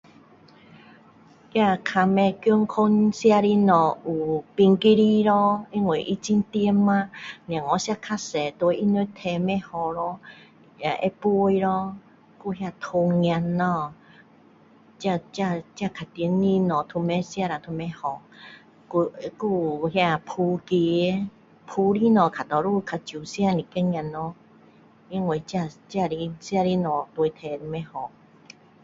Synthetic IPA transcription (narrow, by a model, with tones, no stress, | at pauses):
kja˧kʰa˧mɛ̃˧kjo˦ŋ˦kʰo˦nsi˦a˧ɾi˧nɔ̃˨u˨pi˧ŋki˦ɾi˦ɾɔ˦i˦ŋwe˨ʔi˦t͡ʃi˧n˦t̪i˦˧e˦mã˦nĩ˨ã˨ŋɔ̃˧˦si˦a˧kʰa˦sɛ˨t̪o˧e˧ʔi˦nu˧˦t̪ʰɛ˧˨mɛ̃˦hɔ˨ɾɔ˧ | a˨ʔe˧˦pu˦o˧i˧ɾɔ˧ | ku˦ɦa˧˨t̪ʰo˧ŋi˧ã˧nɔ̃˧ | t͡ɕa˧t͡ɕa˧t͡ɕja˧˨kʰa˨˩t̪i˧˨˦nli˦nɔ̃˨t̪ʰu˧mɛ˦sja˧˨ɾa˨˩t̪ʰu˧mɛ˦hɔ˧˨ | ku˧˦ku˧˨hja˧˨pʰu˧ki˧˨˦ | pʰu˧li˦nɔ̃˨kʰa˨t̪ɔ˨ɾu˧˨kʰa˨˧t͡ɕju˨˩sja˥˧ni˨ke˦ŋj̃ã˧nːɔ˧˦ | i˧˦ŋwe˨t͡ɕa˧˨t͡ɕa˧li˦sja˧ɾi˦nɔ̃˨t̪e˧t̪ʰɛ˧i˧mɛ̃˦hɔ˨